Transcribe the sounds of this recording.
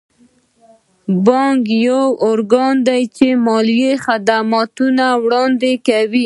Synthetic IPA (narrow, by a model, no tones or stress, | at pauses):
bɑŋkjawʊɾɡɑnd̪ajt͡ʃemɑlijexad̪amɑt̪unawɽɑnd̪ekawi